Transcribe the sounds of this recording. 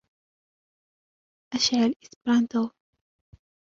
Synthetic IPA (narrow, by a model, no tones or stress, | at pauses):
ʔaʃʕalʔɪsbɾant̪o